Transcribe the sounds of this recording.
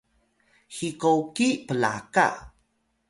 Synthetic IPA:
xikowkipəla̰ka̰

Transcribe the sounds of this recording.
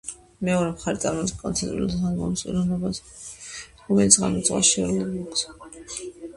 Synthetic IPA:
mɛɔɾɛmχaɾit̪sʼa̰ɾmɔbiskʼɔnt̪sʰɛnt̪ʼɾṵlsanɡɔ̰msʼḭɾɔnɔbas | ɾɔmɛlit̪sʰʁa̰mɔt̪sʼwa̰ʃɛɾulɛbɡɔkʰs

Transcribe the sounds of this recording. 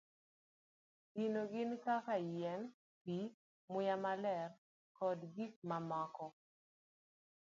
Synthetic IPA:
ɡinoɡɪnkakajɛn | pi | mʊjamalɛr | kɔdɡik̚mamɔkɔ

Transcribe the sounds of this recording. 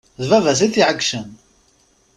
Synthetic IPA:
ðvævæs̬iθiʕəɡʃən

